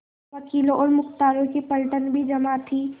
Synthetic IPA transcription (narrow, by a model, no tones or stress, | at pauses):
ʋɐkiːlõʔɔːɾmʊxt̪aːɾõkipəlʈənbʱid͡ʒɐmat̪ʰi